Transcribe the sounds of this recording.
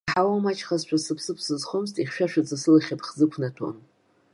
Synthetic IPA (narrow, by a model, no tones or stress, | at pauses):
ħawamat͡ʃʰʼχazt͡ʃʷʰasɨpʰsɨpʰsɨzχoms̬tʼiχʲʃᶣaʃᶣad͡zasɨlaχʲapʰʼχzɨkʷʰnatʰo̰n